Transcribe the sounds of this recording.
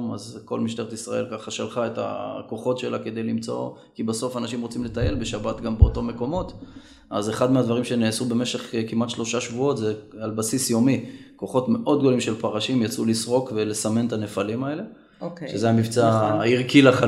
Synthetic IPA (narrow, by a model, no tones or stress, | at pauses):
mazko̞̰lmiʃt̪e̞ʁet̪isʁa̰e̞̰lkaχaʃalχae̞ta̰ko̞χo̞tʃe̞lake̞d̪e̞jlimt͡so̞̰ | kibaso̞fanaʃimʁot͡simle̞t̪aje̞lbe̞ʃabatɡambeoto̞me̞ko̞mo̞t | ʔazeχad̪mead̪vaʁimʃe̞neːsube̞meʃe̞χkimatʃlo̞ʃaʃvuo̞tzealbasisjo̞miko̞χo̞tme̞ʔo̞d̪ɡolimʃe̞lpaʁaʃimjat͡sulisʁo̞kvelesame̞ntane̞falimaele̞ | ʃezeamivt͡saiʁkilaχa